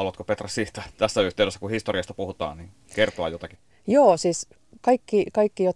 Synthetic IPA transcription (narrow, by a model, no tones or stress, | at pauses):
ɑluʋɑt̪kopet̪rɑssiːht̪æt̪æsːæyht̪eˑwdesːækuhist̪oriɑst̪ɑpuhut̪ɑ̰ːnniŋ | kert̪oɑ̰jot̪ɑki̥ | joːsiːs | kɑikːikɑikːijot̪